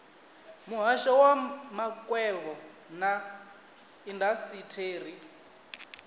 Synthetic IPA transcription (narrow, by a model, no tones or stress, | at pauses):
muɦaʃɔwamakʼwɛβɔ | na | indasitʰeːr̤i